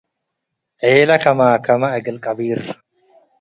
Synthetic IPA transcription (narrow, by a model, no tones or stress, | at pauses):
ʔeːlɐkɐmaːkɐmɐɐɡɐlkʼɐbiːrɐ̥